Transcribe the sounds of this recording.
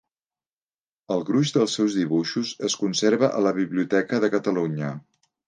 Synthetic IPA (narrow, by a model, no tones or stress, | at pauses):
əlˠɣɾuʒd̪əlˠsːɛwzðiβ̞uʃuzəskunseɾβəʔələβiβliut̪ɛkəðəkət̪əluɲə